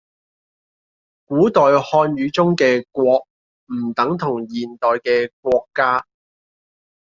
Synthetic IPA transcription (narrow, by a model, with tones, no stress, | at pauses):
kuː˨˥t̪ɔː˨jhɔː˧njyː˨˥t͡sʊ˥ŋkɛː˧kʷwɔː˧k̚ | m̩ː˨˩t̪ɐ˨˥ŋt̪ʰʊ˨˩ŋjiː˨˩nt̪ɔː˨jkɛː˧kwɔː˧kːaː˥